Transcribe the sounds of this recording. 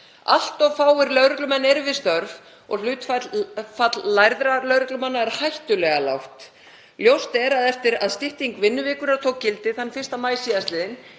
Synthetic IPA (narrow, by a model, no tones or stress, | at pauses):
a̰l̥t̪ɔvfaːwɪɾlœɥɾʏklʏmɛnːɛɾvɪst̪œɾv | ɔ̰ɣl̥ʏːt̪fafat̪lːajɾðɾalœɥɾʏklʏmanːaɛɾ̥hajht̪ʏlɛɣala̰wht̪ | ljowst̪ɛɾaðɛft̪ɪɾaðst̪ɪht̪iŋkvɪnːʏvɪːkʏɾaðt̪ʰowkcːɪlt̪ɪðanːfɪr̥st̪amaːjsiðast̪lɪːðɪn